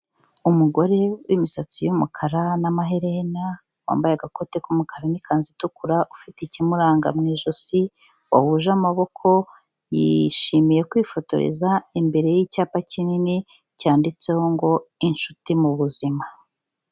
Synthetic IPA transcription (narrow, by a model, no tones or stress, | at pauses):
umuɡo̞ɾe̞wʔḭmisat͡sijumṵkʰaɾanamaɦeɾena | wa̰ːmbajeaɡako̞te̞kumukʰaɾanikʰaːnzitukuɾaʔufiticimuɾaːŋɡa̰mŋiːʒosi | wa̰huʒamaβo̞kʰo̞ | jḭʃimije̞kwifo̞to̞̰ɾḛzaimbe̞ɾe̞jicaːpacinini | caːndit͡seho̞ŋɡo̞inʃutimuβuzima